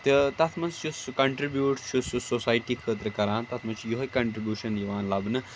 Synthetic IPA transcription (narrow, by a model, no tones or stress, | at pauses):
t̪ɨt̪ɐt̪ʰmɐnst͡ʃʰuskɐɳʈɾibjuːʈt͡ʃʰususosaːjʈikʰəːt̪ɾəkɐɾãːnt̪ɐt̪ʰmɐnt͡ʃʰujoɦkɐɳʈɾibʲjuːʃɐnjiʋaːnlɐbnɨ